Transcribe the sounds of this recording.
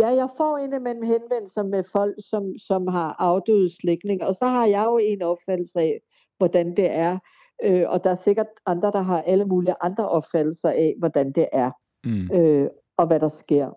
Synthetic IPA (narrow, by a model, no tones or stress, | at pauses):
jæjɑ̈ɪfɒ̰e̝nemel̰m̩ɦenʋen̰lsɐmefɒ̽l̰ɡ̥sɒ̽msɒ̽mɦɑ̈ʔɑ̈ʊd̥øːð̩ˠsleɡ̥ne̝ŋɐɒ̽sɒ̽ɦɑ̈jɑ̈ɪo̝e̝nɒ̽b̥fæd̥l̩səɛ | ʋɒd̥ænd̥e̝ʔæɐ | øʔɒ̽d̥ɑ̈æɐse̝ɡ̥ɐd̥ɑ̈nd̥ʁɐd̥ɑ̈ɦɑ̈ʔæləmuːliʔɑ̈nd̥ʁɐʔɒ̽b̥fæd̥l̩sɐɛʋɒd̥ænd̥e̝ʔæɐ | ø | ɒ̽ʋæɾ̥ɑ̈sɡ̥e̝ɐ̰